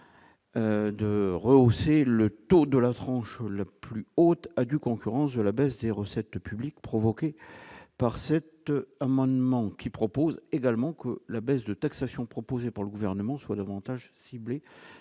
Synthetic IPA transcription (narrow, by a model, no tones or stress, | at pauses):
d̪əʁəoselət̪od̪əlat̪χɑ̃ʃlaplyot̪ad̪ykɔ̃kʲyʁɑ̃sd̪əlabɛsd̪eʁəsɛt̪pyblikpχɔvɔkʲepaʁsɛt̪amɑ̃d̪mɑ̃kʲipχɔpozeɡalmɑ̃kəlabɛsd̪ət̪aksasjɔ̃pχɔpozepaʁləɡuvɛʁnəmɑ̃swad̪avɑ̃t̪aʒsible